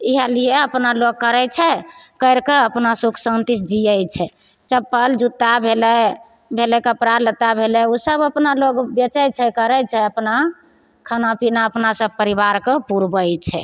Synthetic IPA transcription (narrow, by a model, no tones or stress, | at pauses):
iɦəlijeəpnaloɡ̚kəɾɛt͡ʃʰɛkəɪɾkeəpnasuksə̃nt̪isd͡ʒijəjt͡ʃʰɛ | t͡ʃəpːəld͡ʒut̪ːabʱelɛ | bʱelɛkəpɾalət̪abʱelɛusəbəpnaloɡbət͡ʃɛjt͡ʃʰɛkəɾɛt͡ʃʰɛəpna | kʰənapʰinaəpnasəb̚pəɾibaɾkepuɾbəjt͡ʃʰɛ̰